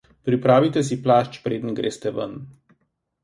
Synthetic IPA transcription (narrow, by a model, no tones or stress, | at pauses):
pɾipɾaːʋit̪ɛs̬iplaːʃt͡ʃpɾeːd̪nɡɾḛːst̪ɛʋə̰n